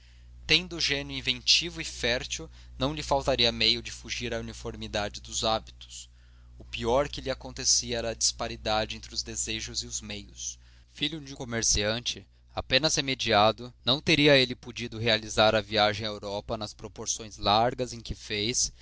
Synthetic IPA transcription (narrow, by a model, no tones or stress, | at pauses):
t̪ẽnd̪ʊʒẽnjʊĩvẽnt͡ʃivʊɪfɛɾt͡ʃiw | nɐ̃w̃lɪfawt̪aɾiɐmejʊd͡ʒɪfuʒiɾɐunifoɾmid̪ad͡ʒɪd̪ʊzabit̪ʊ̥s | ʊpiɔɾkɪlɪakõnt̪esiɐɛɾɐːd͡ʒispaɾid̪ad͡ʒɪẽnt̪ɾɪʊzd̪ezeʒʊzɪʊzmejʊs | fiʎʊd͡ʒɪkomeɾsiɐ̃nt͡ʃɪ | apẽnɐz̥hemed͡ʒiad̪ʊnɐ̃w̃t̪eɾiɐelɪpud͡ʒid̪ʊɦealizaɾɐviaʒẽj̃aewɾɔpɐnɐspɾopoɾsõj̃zlaɾɡɐzẽkɪfejs